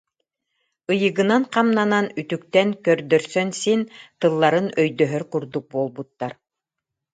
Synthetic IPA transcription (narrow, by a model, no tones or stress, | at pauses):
ɯjɯ̆ɡɯnanqɑmnananyt̪yk̚t̪ɛnkœɾd̪œɾsœnsint̪ɯlˠːaɾɯnœjd̪œɦœɾkuɾd̪uk̚buɔlˠbut̪ːaɾ